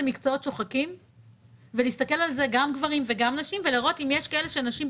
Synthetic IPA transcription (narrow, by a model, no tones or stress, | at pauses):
emikt͡soo̞tt͡ʃo̞χakim | veliːst̪ɐke̞lalzeɡamɡvaʁimveɡamnaʃimveliʁo̞t̪imjeʃkae̞le̞ʃenaʃim